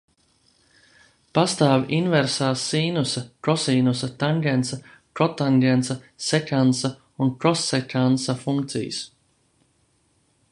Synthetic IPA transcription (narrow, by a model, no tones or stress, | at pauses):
past̪aːvʔinvɛɾsaːsːiːnusɐkɾɔsiːnusɐt̪aŋɡɛnsa | kɾɔt̪aŋɡɛnsa | sɛkʲansa | unkɾɔsːɛkʲansafuŋk̚t̪sḭjɨ̰s